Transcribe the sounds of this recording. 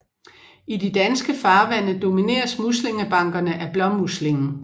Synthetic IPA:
idid̥ænsɡ̥əfɑ̈ːʋæn̰əd̥o̝mine̝̰ːɐsmusle̝ŋəb̥ɑ̈ŋ̰ɡ̥ɐnəʔæb̥lɒ̽mːusle̝ŋn̩

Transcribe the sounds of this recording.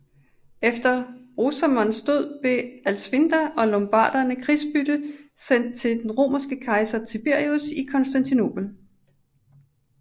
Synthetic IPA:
efd̥ɐʁosæmɒnsd̥o̝ð̞̰ˠb̥le̝ælsʋind̥æʔɒ̽lɒ̽mb̥ɑ̰̈ːd̥ɐnəkʰʁisb̥yd̥əsen̰d̥̚t͡sʰe̝ld̥enʁo̝̰ːmɐsɡ̥əkʰɑ̈ɪsɐt͡sʰib̥e̝ɐ̰iusikʰɒ̽nsd̥ænt͡sʰino̝̰ːb̥l̩

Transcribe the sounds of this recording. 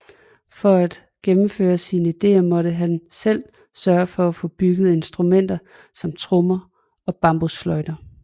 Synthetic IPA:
fɒ̽æd̥ | ɡ̥emm̩fø̰ːɐsinəid̥e̝̰ːɐmɒ̽ɾəɦænsel̰ | sɶːɐfɒ̽æfɔ̽b̥yɡ̥əð̞̩ˠe̝nsd̥ʁumen̰d̥ɐ | sɒ̽mt͡sʰʁɔmɐ | ɒ̽b̥ɑ̈mb̥osflɒ̽ɪd̥ɐ

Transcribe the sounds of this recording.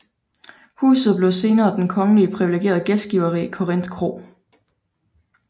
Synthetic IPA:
hṵːsð̩ˠb̥le̝ʊse̝ːnɐːd̥enkʰɒ̽ŋəliəpʰʁiʋileɡ̥e̝̰ːɐðˠɡ̥esd̥ɡ̥iʊɐʁḭːkʰo̝ʁen̰d̥kʰʁo̝̰ː

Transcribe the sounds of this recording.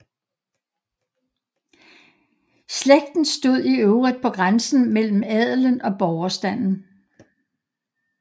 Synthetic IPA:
sleɡ̥̚d̥n̩sd̥o̝ð̞̰ˠiøʊʁid̥̚pʰɒ̽ɡ̥ʁansn̩mel̰m̩ɛð̰ˠlənɒ̽b̥ɒʊɐsd̥æn̰n̩

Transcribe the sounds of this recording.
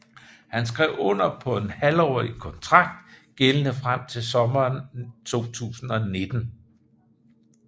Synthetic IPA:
hænsɡ̥ʁɛʊɔ̽n̰ɐpʰɒ̽e̝nhælɒ̰ːikʰɒ̽nt͡sʰʁɑ̈ɡ̥̚d̥ɡ̥elənəfʁam̰t͡sʰe̝lsɒ̽mɐːnt͡sʰo̝̰ːt͡sʰṵːsn̩ɒ̽ne̝d̥n̩

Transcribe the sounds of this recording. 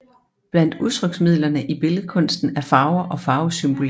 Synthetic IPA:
b̥læn̰d̥uðˠt͡sʰʁœɡ̥smið̞̰ˠlɐnəʔib̥e̝ləð̩ˠkʰɔ̽n̰sd̥n̩æɐfɑ̈ʊɐʔɒ̽fɑ̈ːʊsymb̥ol

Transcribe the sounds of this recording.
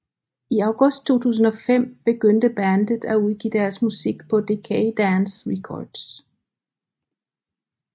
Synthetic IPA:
iɑ̈ʊɡ̥ɔ̽sd̥̚t͡sʰo̝̰ːt͡sʰṵːs̬n̩ɒ̽fem̰b̥e̝ɡ̥øn̰d̥əb̥ænd̥ð̩ˠæuð̞ˠɡ̥ḭːd̥æɐsmusiɡ̥pʰɒ̽d̥ekʰed̥ænsʁɛkʰɒ̰d̥s

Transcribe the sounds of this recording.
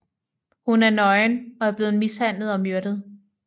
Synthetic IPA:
hunæɐnɒ̽ɪnɒ̽æɐb̥le̝ːð̩ˠmishæn̰lð̩ˠɒ̽mjøɐɾ̥ð̞̩ˠ

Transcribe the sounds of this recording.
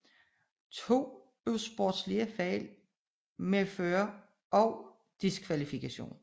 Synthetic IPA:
t͡sʰo̝̰ː | øsb̥od̥sliəfɛ̰ːl | meføːɐ | ɒ̽ʊ | d̥iskʰʋælifikʰæɕo̝̰ːn

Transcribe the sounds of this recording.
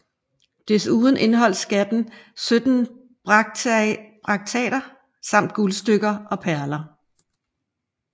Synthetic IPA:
d̥e̝suːð̞ˠn̩ʔe̝nɦɒ̽l̰sɡ̥æd̥n̩sød̥n̩ | b̥ʁ | b̥ʁɑ̈ɡ̥̚t͡sʰɛ̰ːɾ̥ɐ | sɑ̈m̰d̥̚ɡ̥ulsd̥øɡ̥ɐʔɒ̽pʰæɐlɐ

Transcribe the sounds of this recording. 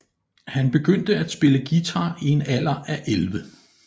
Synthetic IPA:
hænb̥e̝ɡ̥øn̰d̥əæd̥sb̥e̝ləɡ̥it͡sʰɑ̈ːie̝næl̰ɐʔæʔelʋə

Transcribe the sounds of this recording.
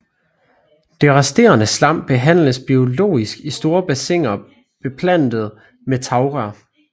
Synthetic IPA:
d̥e̝ʁɑsd̥e̝̰ːɐnəslɑ̈m̰b̥e̝ɦæn̰ləsb̥io̝lo̝̰ːisɡ̥isd̥o̝ːɐb̥æse̝ŋ̰ɐ | b̥e̝pʰlæn̰d̥ð̞̩ˠ | met͡sʰɑ̈ʊʁæ

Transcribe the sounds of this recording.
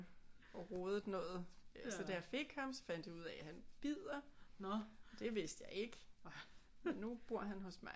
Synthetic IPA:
ɒʁoːð̞ˠəd̥ˠnɔ̽ːð̩ˠsɒ̽d̥æjafe̝ɡ̥hɑ̈msɒ̽fæn̰d̥iuð̞̰ˠɛhænb̥ið̰ˠɐ | d̥e̝ʋe̝sd̥jɑ̈ɪe̝ɡ̥ | menːub̥u̝ɐ̰ɦænɦɔ̽smɑ̈ɪ

